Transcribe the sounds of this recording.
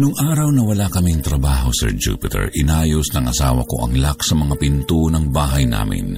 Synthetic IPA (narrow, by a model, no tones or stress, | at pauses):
nʊŋʔaːɾɐwnɐwɐlakɐmiŋt̪ɾɐbaːɦo̞̰sɛ̰ɹd͡ʒṵːpɪt̪ɛ̰ɹʔɪnaːjosnɐŋʔɐsaːwɐ̰ko̞ʔɐ̰ŋlaksɐmɐŋapɪnt̪unɐŋbaːɦɐjna̰ːmɪ̰n